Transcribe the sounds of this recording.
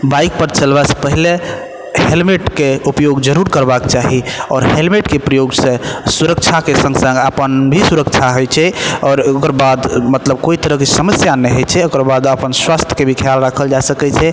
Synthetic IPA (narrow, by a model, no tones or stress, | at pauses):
baik̚pəɾt͡ʃəlbase̥pəɦile | ɦelmeʈkeupjoɡd͡ʒəɾuɾkəɾbakt͡ʃaɦiɔːɾɦelmeʈkepɾəjoɡsẽsuɾək̚t͡ʃʰakesə̃ŋɡsə̃ŋɡəpənbʱisuɾək̚t͡ʃʰaɦojt͡ʃʰɛɔːɾokəɾbad̪mət̪ləb̚koit̪əɾəɦkesəməsjanɛɦot͡ʃʰɛokəɾbad̪əpənswast̪ʰjə̥kebʱikʰjalɾakʰəld͡ʒasəkɛt͡ʃʰɛ